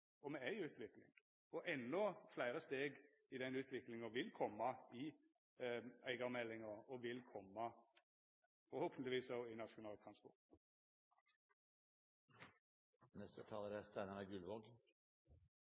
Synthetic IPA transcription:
ɔmɛæɪʉːt̪ʰʋɪklɪ̰ŋ | ɔʔɛnːɔflæɪɾəst̪eːɡ | ɪd̪ɛnʉːt̪ʰʋɪklɪŋəʋɪlkʰɔmːɑɪ | æɪɡɑʁmɛlːɪŋəɾɔʋɪlkʰɔmːɑ | fɔɾhoːpənt̪lɪʋiːsɑʊɪnɑʃʊnɑːlt̪ʰʁɑnspɔ̰ʁt̪ | nɛst̪ət̪ʰɑːləɾɛst̪æɪnɑʁəɡʉlʋoɡ

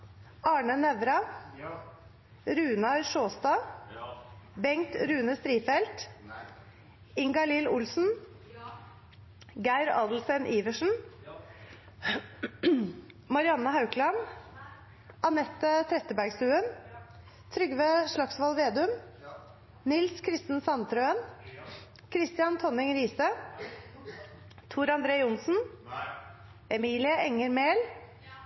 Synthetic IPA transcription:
ɑːɳənɛʋɾɑ | ɾʉːnɑɾʂoːst̪ɑː | bɛŋt̪ɾʉːnəst̪ɾiːfɛlt̪ | ɪŋɡɑlɪːlʊlsn̩ | ɡæɪɾɑːd̪l̩sɛnʔiːʋəʂn̩ | mɑɾɪɑnːəhɑʉklɑn | ɑnɛt̪ːət̪ʰɾɛt̪ːəbæɾɡst̪ʉːən | t̪ʰɾʏɡʋəʂɭɑksʋɑlʋeːd̪ʉm | nɪlskʰɾɪst̪n̩sɑnt̪ʰɾøːən | kʰɾɪst̪ɪɑnt̪ʰɔnɪŋɾiːsə | t̪ʰuːɾɑnd̪ɾeːʊnsn̩ | ɛmiːlɪəʔɛŋːəɾmeːl

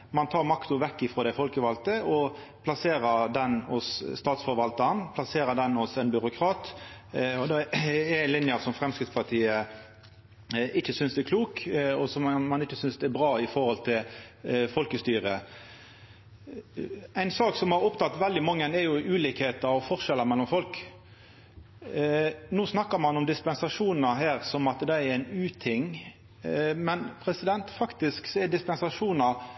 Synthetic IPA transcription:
mɑnt̪ʰɑːɾmɑkt̪ʊʋɛkːɪfɾɔːd̪æɪfɔlkəʋɑlt̪əɔpʰlɑseːɾəɾd̪ɛnɔsst̪ɑːt̪sfɔɾʋɑlt̪ənpʰlɑseːɾəd̪ɛnɔsɛnbʏɾʊkʰɾɑːt̪ | ɔd̪ɛɛlɪnjɑsɔmfʁɛmskɾɪt̪spʰɑʁt̪ʰiːə | ɪçːəsʏnsd̪ɛkʰluːkɔsɔmːɑnɪçːəsʏnsd̪ɛæbʁɑːɪfɔɾʁhɔlt̪ʰɪlfɔlkəst̪yːɾə | æɪnsɑːksɔmhɑɾɔpt̪ʰɑt̪ːʋɛld̪ɪmɑŋːənɛɾjʊʔʉːliːkheːt̪əɾɔfɔʁʂɛlːəmɛlːɔmfɔlk | noːsnɑkːəmɑnɔmd̪ɪspɛnsɑʂuːnəɦæːɾsɔmɑt̪d̪ɛæɾæɪnʉːt̪ʰɪŋ | mɛnpʰɾɛsɪd̪ɛnt̪fɑkt̪ɪsksɔɛd̪ɪspɛnsɑʂuːnɑ

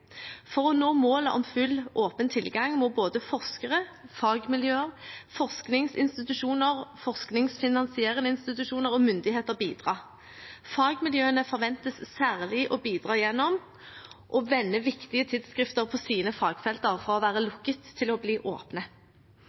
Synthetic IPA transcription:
fɔʁɔnoːmoːləʔɔ̰mfʉlʔoːpənt̪ʰɪlɡɑŋmɔboːd̪əfɔʁskəʁəfɑːɡmɪljøːəfɔʁsknɪŋsɪ̰nst̪ɪt̪ʉʃuːnəʁfɔʁsknɪŋsfɪnɑnsɪeːʁɪnəɪnst̪ɪt̪ʉʃuːnəʁɔmʏnd̪ɪɦeːt̪əʁbiːd̪ʁɑː | fɑːɡmɪljøːənəfɔʁʋɛnt̪əsːæːʁlɪʔɔbiːd̪ʁɑːjɛnːɔm | ʔɔʋɛnːəʋɪkt̪ɪət̪ʰɪd̪skʁɪft̪əʁpʰɔsiːnəfɑːɡfɛlt̪əʁfɔʁɔʋæːʁəlʊkːət̪ʰːɪlɔbliːʔo̰ːpnə

